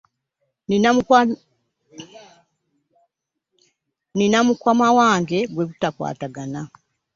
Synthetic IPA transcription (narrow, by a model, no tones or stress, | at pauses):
i | ninamukwamawaːŋɡe̞ɡweβutakwa̰ːtaɡana